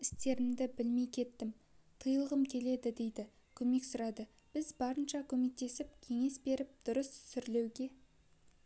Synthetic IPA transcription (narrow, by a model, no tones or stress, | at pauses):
ɪst̪e̞ɾɪmd̪ɪbɪlmejkʲʰe̞t̪ːɪm | t̪ʰəjəlˠəʁəmkʲʰe̞le̞d̪ɪd̪e̞jd̪ɪ | kʲʰɵme̞ksʊɾɑd̪ə | b̥ɪzbɑɾənʃɑkʲʰɵme̞k̚t̪e̞sɪp̚kʲʰe̞ŋe̞sbe̞ɾɪp̚d̪̥ʊɾəssʏɾle̞wɡʲe̞